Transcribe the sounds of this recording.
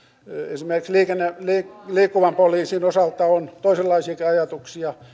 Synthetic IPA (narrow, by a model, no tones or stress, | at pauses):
esimeriksliːkenːeliːkliːkːuʋɑmpoliːsiːnosɑlt̪ːɑont̪oiselːɑisiɑkiɑjɑt̪uksiɑ